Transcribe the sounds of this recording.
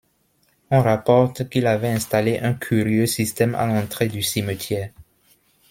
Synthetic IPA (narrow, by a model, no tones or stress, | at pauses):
ɔ̃ʁapɔʁt̪kilavɛɛ̃st̪aleʔɛ̃kʰyʁjøsist̪ɛma̰lɑ̃t̪χed̪ysimət̪ʰjɛːʁ